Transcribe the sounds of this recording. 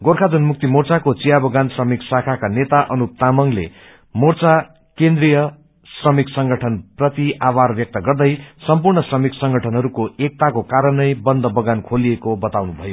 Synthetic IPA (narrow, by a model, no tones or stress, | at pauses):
ɡorkʰad͡zunmuk̚t̪imort͡sakot͡sijabʌɡansrʌmiksakʰakanet̪aʔʌnup̚t̪amʌŋlḛ | mort͡sa | kend̪rijʌ | srʌmiksʌŋɡʱʌʈʰʌnprʌt̪iʔabarbjʌk̚t̪ʌɡʌrd̪ʌjsʌmpurɳʌsrʌmiksʌŋɡʱʌʈʰʌnɦʌɾukoʔek̚t̪akokaɾʌnʌjbʌnd̪ʱʌbʌɡankʰoliekobʌt̪awnubʱʌjo